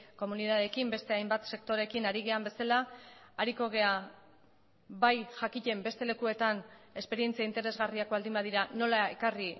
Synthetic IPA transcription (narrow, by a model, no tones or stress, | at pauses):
ko̞muniðaðekimbe̞st̪e̞ajmbat̪se̞kt̪o̞ɾe̞kinaɾiɣ̞e̞ambe̞salaːɾiko̞ɣ̞e̞a | βajʝakiʎe̞mbe̞st̪e̞le̞kue̞t̪ane̞spe̞ɾie̞nt͡siaint̪e̞ɾe̞zɣariako̞ald̪imbaðiɾano̞lae̞̰kari